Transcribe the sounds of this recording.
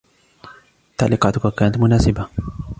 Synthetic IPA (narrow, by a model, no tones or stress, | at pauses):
t̪aʕliːqɑːt̪ʊkakaːnat̪mʊnaːsɪba